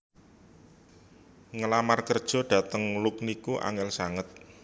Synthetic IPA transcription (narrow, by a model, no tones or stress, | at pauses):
ŋəlamarkərd̥ʒ̥ɔ̤ɖ̥ä̤t̪əŋlʊk̚nikuʔa̰ŋɛlsaŋət̪̚